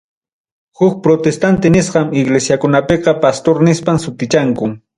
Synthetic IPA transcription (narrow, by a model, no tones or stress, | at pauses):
hʊk̚pɾot̪est̪ant̪ɪnɪsqɑmɪɡlesjakʊnapeqɑpast̪oɾnɪspamsʊt̪ɪt͡ʃaŋkʊ